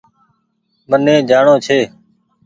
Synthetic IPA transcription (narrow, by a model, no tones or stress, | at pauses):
mənẽːd͡ʒaːɳõːt͡ʃʰeː